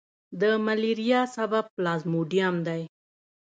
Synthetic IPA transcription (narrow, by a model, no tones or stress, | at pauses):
d̪əmaliɾijɑsabab̚plɑzmoɖijamd̪aj